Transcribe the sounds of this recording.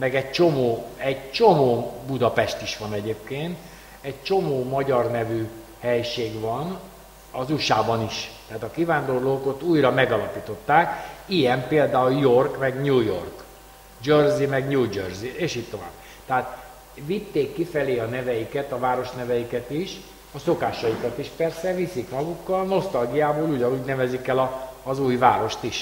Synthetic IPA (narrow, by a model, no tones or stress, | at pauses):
mɛɡɛɟ̚t͡ʃo̞moːɛɟt͡ʃo̞moːbud̪ɒpɛʃt̪iʃʋɒnɛɟeːp̚keːnt̪ | ɛɟ̚t͡ʃo̞moːmɒɟɒrnɛvy | hɛjʃeːɡvɒn | ɒzuʃaːbɒniʃt̪ɛaːt̪ɒkivaːnd̪orloːkot̪uːjrɒmɛɡɒlɒpiːt̪o̞t̪ːaːkijɛmpeːld̪aːuljo̞rkmɛɡɲuːjork | d͡ʒørzimɛɡɲuːd͡ʒørzieːʃiːtt̪o̞va̰ːb̚ː | t̪ɛɦaːt̪ | ʋit̪ːeːkːifɛleːɒnɛvɛjikɛt̪ɒvaːɾo̞ʃnɛvɛjikɛt̪iʃ | ɒso̞kaːʃɒjikɒt̪iʃpɛrsɛvisikmɒɡukːɒlno̞st̪ɒlɡijaːboːluɟɒnuːɟnɛvɛzikɛlɒːzuːjvaːɾo̞ʃt̪iʃ